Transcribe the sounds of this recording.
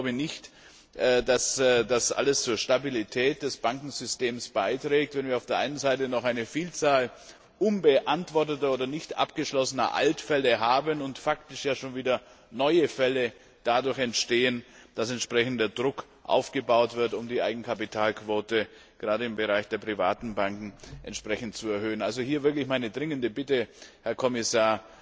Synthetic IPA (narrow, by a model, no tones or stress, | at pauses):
laʊbənɪçtː | dasdasʔa̰ləst͡suːɐʃtabilitʰɛːt̚d̥ɛsb̥aŋkŋ̩zʏsteːmsb̥aɪtʁ̥ɛːk̚tvɛnviːɐaʊfd̥eːɐʔaɪnənzaɪtənɔχaɪnəfiːlt͡saːl | ʔʊnbəʔantv̥ɔɐtətɐoːdɐnɪçtʔa̰pɡ̥əʃlɔsənɐ̰ʔa̰ltfɛləɦaːbənʊntfak̚tɪʃjaːʃoːnviːdɐ | nɔʏəfɛlə | d̥adʊɐçɛntʃteːənd̥asɛntʃpʁ̥ɛçn̩dɐdʁʊk | ʔa̰ʊfɡ̥əbaʊtv̥ɪɐtʊmdiːʔa̰ɪɡŋ̩kʰapitʰaːlkv̥oːtə | ɡ̥əʁaːdəɪmbəʁaɪçd̥eːɐpʁ̥iva̰ːtn̩baŋkŋ̩ʔɛ̰ntʃpʁ̥ɛçn̩tt͡suɛɐhøːənalzohiːɐvɪɐklɪçmaɪnədʁɪŋəndəbɪtəhɛɐkʰɔmɪsaːɐ